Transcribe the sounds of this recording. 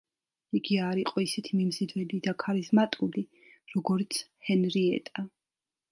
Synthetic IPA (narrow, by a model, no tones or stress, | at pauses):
iɡiaɾiqʼɔisɛt̪ʰimimzid̪wɛlid̪akʰaɾizmat̪ʼuli | ɾɔɡɔɾt̪sʰhɛnɾiɛ̰t̪ʼa